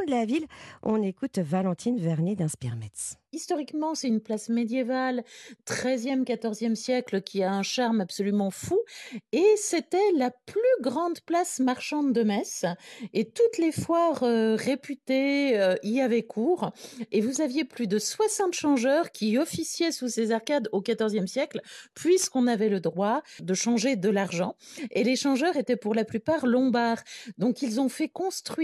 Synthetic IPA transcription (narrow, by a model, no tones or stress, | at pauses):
d̪lavilɔ̰̃nekut̪valɑ̃t̪ʰinvɛʁned̪ɛ̃spḭʁmɛt̪s | ist̪ɔʁikmɑ̃sɛt̪ynplasmed̪jevalt̪χɛzjɛmkat̪ɔʁzjɛmsjɛkləkʲʰiaɛ̃ʃaʁmabsɔlymɑ̃fueset̪ɛlaplyɡʁɑ̃d̪plasmaʁʃɑ̃d̪d̪əmɛset̪ut̪lefwaʁøʁepyt̪eøijavɛkʰuːʁevuzavjeplyd̪əswasɑ̃t̪ʃɑ̃ʒœʁkʲʰiɔfisjɛsusezaʁkad̪okat̪ɔʁzjɛmsjɛklpɥiskɔ̃navɛləd̪ʁwad̪əʃɑ̃ʒed̪əlaʁʒɑ̃eleʃɑ̃ʒœʁet̪ɛpuʁlaplypaʁlɔ̃baːʁd̪ɔ̃kilzɔ̃fɛkɔ̃st̪χɥi